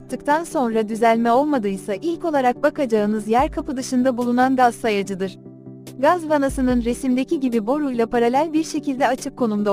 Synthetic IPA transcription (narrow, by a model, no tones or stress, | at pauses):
t̪ʰɯkt̪ʰanso̞nɾad̪yzælʲmɛo̞lˠmad̪ɯjsaʔilʲco̞lˠaɾak̚bakad͡ʒaɯnɯzjæɾkʰapɯd̪ɯʃɯnd̪abulˠunanɡazsajad͡ʒɯd̪ɯɾ̥ | ɡazvanasɯnɯnɾe̞simd̪e̞cʰiɟibibo̞ɾujlˠapaɾalʲælʲbiɾʃe̞cʰilʲd̪ɛat͡ʃʰɯkʰːo̞numd̪a